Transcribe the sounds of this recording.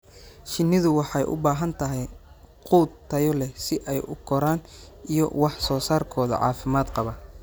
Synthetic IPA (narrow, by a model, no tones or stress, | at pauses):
ʃɪnːɪðʊwɑħɑjʔʊ̰baːɦɐnt̪ʰɐɦɛj | quːd̪t̪ʰːɐjɔlɛsɪʔɛjʔʊɡʰɔɾaːn | ijɔ̰wɑħsɔːsaːrkʰɔːðɐ̰ʕɑ̰ːfɪmaːd̪qɑβɐ